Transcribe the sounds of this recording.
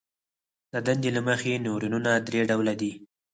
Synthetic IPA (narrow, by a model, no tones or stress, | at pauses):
d̪əd̪and̪elaməxenoɾinunad̪ɾeɖawlad̪i